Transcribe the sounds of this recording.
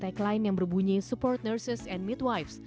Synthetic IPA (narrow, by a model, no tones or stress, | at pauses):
t̪aklaɪnjaŋbərbuɲisupɔrt̪̚nərsɪsɛnmit̪̚wajfs